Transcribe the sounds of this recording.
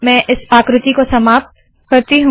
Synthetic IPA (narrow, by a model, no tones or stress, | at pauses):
mɛ̃ʔɪsaːkɾɪt̪ikosɐmaːp̚t̪ | kɐɾt̪iɦũ